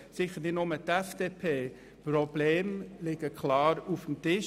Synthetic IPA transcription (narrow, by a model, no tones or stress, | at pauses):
sɪxəɾnɪtnʊmət̪ɛfd̥eːpʰeː | prɔb̥leːmlɪɡəkʰlɑːɾufm̩tɪʃ